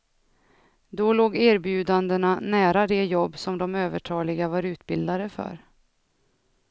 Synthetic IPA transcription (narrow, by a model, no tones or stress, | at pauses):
d̪ɔloːɡæːɾbjʉ̟ːd̪and̪əɳanæːɾad̪ɛjɔbːsɔmd̪ɔmøːvəʈʰɑːlɪɡavaɾʉ̟ːt̪bɪld̪ad̪əfœ̰ɾ